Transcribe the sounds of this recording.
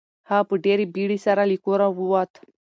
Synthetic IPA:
hapɨɖeɾibiɽisaɾalikoɾawuwat̪

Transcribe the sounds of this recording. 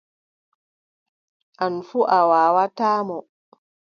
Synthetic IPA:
ʔanfuʔawaːwataːmɔ

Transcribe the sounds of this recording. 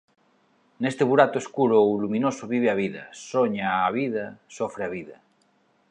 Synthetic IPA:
nest̪eβuɾat̪oeskuɾolumĩnosoβiβ̞eaβ̞iða̰soɲaːβ̞iðasofɾeaβ̞iða

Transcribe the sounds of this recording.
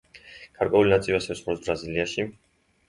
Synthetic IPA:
ɡ̥aɾkʼwɛulinat̪sʼivasɛsχɾɔsbɾaziliaʃi

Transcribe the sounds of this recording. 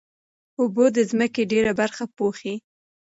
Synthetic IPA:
ubod̪əzməkeɖeɾabaɾxapoxi

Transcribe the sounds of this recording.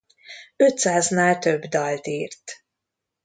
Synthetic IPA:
øt̪saːznaːlt̪ø̞bd̪ɒlt̪iːrt̪

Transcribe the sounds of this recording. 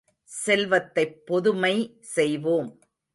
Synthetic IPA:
sɛlʋɐt̪ːɐɪpːɔðɯmɐɪ | sɛjʋoːm

